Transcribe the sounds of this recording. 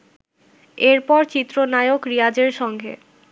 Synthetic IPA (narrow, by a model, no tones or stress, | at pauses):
eɾpɔɾt͡ɕit̪ːɾonajokɾijad͡ʑeɾʃɔŋɡʱḛ